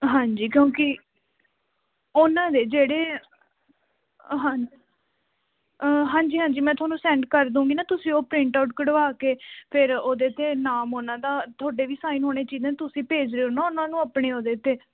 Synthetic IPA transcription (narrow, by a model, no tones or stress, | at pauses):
ɦãːɲd͡ʒiːkjõːkɪ | ʊnãːd̪eːd͡ʒeːɽeː | ɦãː | ɦãːɲd͡ʒiːɦãːɲd͡ʒiːmɛ̃ːt̪ʰʊaːnũːsɛ̃ːɳɖkəɾd̪ũːɡiːnaːt̪ʊsĩːoːpɾɪ̃ɳʈaːʊʈ̚kəɽəʋaːkeːpʰɪɾoːd̪eːt̪ʰeːnaːmoːnãːd̪aːt̪ʰoːɖeːʋiːsaːinɦoːɽ̃eːt͡ʃiːzẽːt̪ʊsĩːpeːd͡ʒɾeːoːnaːʊnãːnũːaːpɳeːoːd̪eːt̪ʰːeː